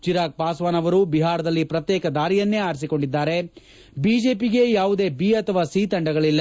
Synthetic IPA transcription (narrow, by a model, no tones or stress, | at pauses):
t͡ʃiɾaːk̚paːsʋaːnɐʋɐɾubiɦaːɾɐd̪ɐlːipɾɐt̪jeːkɐd̪aːɾijɐnːe̞aːɾs̬iko̞ɳɖid̪ːaːɾe̞ | biːd͡ʒe̞ːpiɡe̞jaːʋud̪e̞ːbiːɐt̪ʰɐʋaːsiːt̪ɐɳɖɐɡɐɭilːɐ